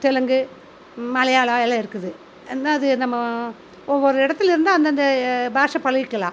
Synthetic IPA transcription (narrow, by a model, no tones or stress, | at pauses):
t̪ɛlɐŋɡɯ | mɐɭɐjaːɭaːɛlaɪɾɯkːɯðɯ | ɛnːaːɐðɯnɐmːɐ | ɔʋːɔɾɯɪɽɐt̪ːɪlɪɾɯnd̪aːɐnd̪ɐnd̪ɐbaːʂɐpɐɭɐɣɪkːɐlã̰ː